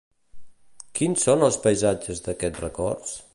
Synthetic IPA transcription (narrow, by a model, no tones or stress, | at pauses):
kinsonəlˠspəjzad͡ʒəzðəkɛtrəkɔrs